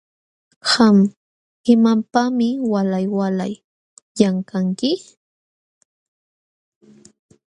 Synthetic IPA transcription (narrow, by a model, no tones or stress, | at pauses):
ham | hɪmampamɪwalajwala̰j | jaŋkaŋkɪ